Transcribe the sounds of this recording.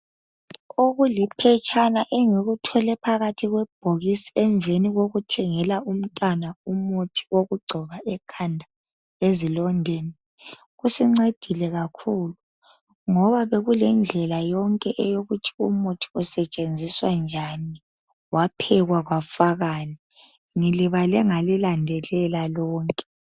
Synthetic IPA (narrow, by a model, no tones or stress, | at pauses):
uɣulipʰɛt͡ʃʰʼanaʔɛŋeɣutʰɔlɛpʰaɣatʰiɣwɛb̥̚ʱoɣisiɛɱvʱeniɣoɣutʰɛŋɛlaum̩tʼanaumotʰi̥oɣuɡ͡ǀʱɔɣaɛkʰandʱa | ezilɔndʱeni | ɣusiŋ͡ǀed̥ʱilɛɣakʰuːlu | ŋɔβaβeɣulɛnd͡ɮʱɛlajɔŋkʼɛʔɛjoɣutʰi̥umotʰi̥usɛt͡ʃʼend͡zʱiswand͡ʒʱani | wapʰɛɣwaɣwafaɣaːni | ŋiliβalɛŋalilandʱɛlɛlalɔːŋkʼɛ̥